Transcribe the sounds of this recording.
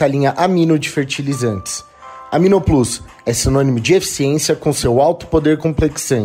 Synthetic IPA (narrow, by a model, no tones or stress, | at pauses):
alĩɲɐʔamĩnʊd͡ʒifeɾt͡ʃilizɐ̃nt͡ʃɪ̥s | ɐmĩnoplus | ɛsinõnimʊd͡ʒiefi̥siẽsiɐkõsewawt̪ʊ̥pod̪eɾkõpleksɐ̃